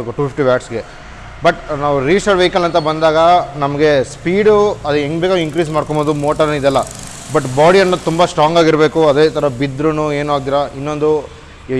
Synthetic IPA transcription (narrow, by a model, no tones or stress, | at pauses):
kʈuːpʰipʈiʋjaːʈsɡe̞ | bɐʈnaːʋuɾiːsɐɖʋeikɐlɐnt̪ɐbɐnd̪aːɡɐnɐmɐɡe̞spiːɽuɐd̪ueŋɡbeːkɐiŋkɾiːsmaːɽkomboːd̪umo̞ːʈɐɾɐnid̪ɛlːɐ | bɐʈːbaːɽijɐnːɐt̪umbɐsʈɾaːŋɡaːɡiɾbe̞ːkuɐd̪eːt̪ʰɐɾɐbid̪ɾunue̞ːnuaːɡ̚t̪̬iːɾɐinːo̞nd̪u